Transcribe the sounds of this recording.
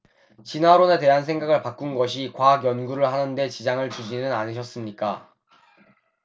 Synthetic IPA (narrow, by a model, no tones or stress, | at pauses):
t͡ɕinaɾone̞te̞ɦansʰe̞ŋɡaɡɯɭpak͈unɡʌɕʰikwaɡjʌnɡuɾɯɭɦanɯnde̞t͡ɕid͡ʑaŋɯɭt͡ɕud͡ʑinɯnaɲiɕʰʌs͈ɯmɲik͈a